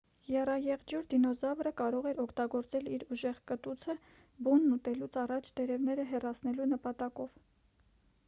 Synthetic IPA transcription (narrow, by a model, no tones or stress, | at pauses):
jɛrɑjɛʁd͡ʒjuɾd̪inɔzɑvrəkɑɾɔʁɛɾɔkʰt̪ɑɡɔɾt͡sɛliɾuʒɛʁkət̪ut͡sʰə | bunːut̪ɛlut͡sʰɑrɑt͡ʃʰd̪ɛɾɛvnɛɾəɦɛrɑt͡sʰnɛlunəpɑt̪ɑkɔv